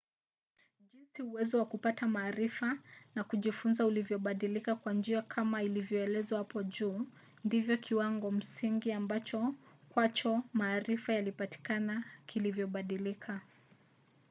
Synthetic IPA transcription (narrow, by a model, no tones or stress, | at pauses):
ʄinsiuwɛzɔwakupatamaːɾifanakuʄifunzaulivjɔɓaɗilikakwand͡ʒiakʰamailivjɔɛlɛzwahapɔʄuː | ndivjɔkʰiwaŋɡɔm̩siŋɡiambat͡ʃɔkwat͡ʃɔmaːɾifajalipati̥kanakʰilivjɔɓaɗilikʰa